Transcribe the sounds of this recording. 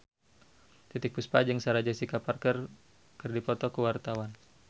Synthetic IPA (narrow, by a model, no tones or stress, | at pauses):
t̪it̪ɪk̚puspad͡ʒəŋsaɾad͡ʒasikaparkər | kɨrdipɔt̪ɔkəwart̪awan